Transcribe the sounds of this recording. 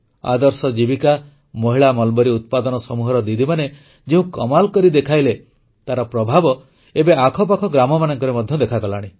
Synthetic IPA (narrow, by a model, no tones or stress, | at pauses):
a̰d̪ɔɾsɔd͡ʒibika | mɔɦiɭamɔlbɔɾiut̪̚pad̪ɔnɔsɔmuɦɔɾɔd̪id̪ʱimane | d͡ʒeũkɔmalkɔɾid̪ekʰajle | t̪aɾɔpɾɔbʱabɔ | ebeakʰɔp̬akʰɔɡɾamɔmanɔŋkɔɾemɔd̪ʱjɔd̪ekʰakɔlaɽ̃i